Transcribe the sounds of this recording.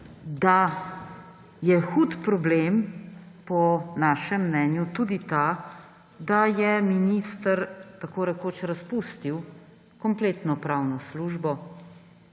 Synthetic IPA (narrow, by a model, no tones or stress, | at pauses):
d̪a | jɛxuːt̪pɾɔblempɔnaʃɛmːnɛːnjut̪ud̪it̪a | d̪ajɛminist̪əɾt̪akoːɾɛkoːt͡ʃɾaspust̪iw | kɔmpleːt̪nɔpɾawnɔsluːʒbɔ